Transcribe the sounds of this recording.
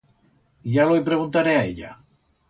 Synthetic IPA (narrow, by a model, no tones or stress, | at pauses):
ʒalojpɾeɣunt̪aɾeaeʎa̰